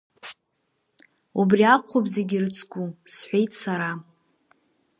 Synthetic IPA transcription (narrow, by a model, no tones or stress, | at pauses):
ubriaqʷʰopze̞ɡʲirɨt͡sʰkʷʼusħʷe̞jtʰʼsaɾa